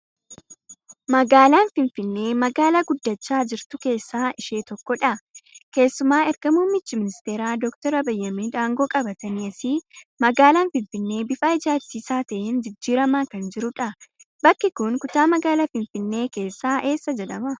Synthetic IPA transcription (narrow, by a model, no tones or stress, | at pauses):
mɐɡaːlaːnfɪnfɪnːe̞ːmɐɡaːlaɡʊd̪ːɐt͡ʃːaːd͡ʒɪɾt̪ʊke̞ːsːaːɪʃe̞ːt̪ɔkːɔᶑɐke̞ːsːʊmaːɛɾɡɐmuːmːɪt͡ʃːɪmɪnɪst̪eːɾaːd̪ɔkt̪ɔɾɐbɐjːɐmiːd̪aːŋɡo̞ːkʼɐbɐt̪ɐniɐsɪmɐɡaːlaːnfɪnfɪnːe̞ːbɪfaːɪd͡ʒaːsiːsaːt̪ɐʔɪnd͡ʒɪd͡ʒːiːɾɐmaːkɐnd͡ʒɪɾʊᶑɐ | bɐkːɪkʊnkʊt̪aːmɐɡaːlafɪnfɪnːe̞ːke̞ːsːaːʔe̞ːsːɐd͡ʒɛᶑɐmɐ